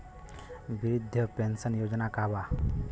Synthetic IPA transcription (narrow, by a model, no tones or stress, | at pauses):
biɾid̪ʱːəpensənjod͡ʒnakaba